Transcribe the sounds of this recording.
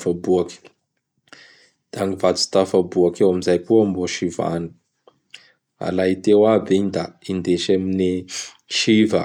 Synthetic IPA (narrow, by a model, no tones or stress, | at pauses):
fabuaki̥ | d̪̥aŋivat͡si̥t̪afabuakewamizajkuamboʃiva̰ni̥ | a̰lait̪ewabeɲd̪aind̪eʃemini | ʃivə